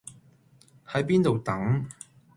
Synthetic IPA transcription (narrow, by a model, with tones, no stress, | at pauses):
hɐ˨˥jpiː˥nt̪o˨wt̪ɐ˨˥ŋ